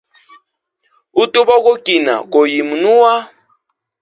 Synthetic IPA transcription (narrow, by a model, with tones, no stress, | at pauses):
u˦tʼu˦bɔ˦ko˦kʼi˨na̰˨ko˨ji˨mu˨nu˦wa˦